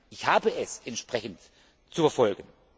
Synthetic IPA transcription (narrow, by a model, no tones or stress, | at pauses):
ʔɪçhaːbəʔɛsʔɛntʃpʁ̥ɛçən̩t | t͡sufɛɐfɔlɡən̩